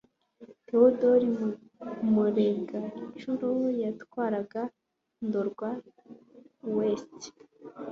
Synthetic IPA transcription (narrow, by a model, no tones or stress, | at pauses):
todoɾim | muɾeɡait͡ʃuɾojatwaːɾaɡa | ndoɾɡwa | west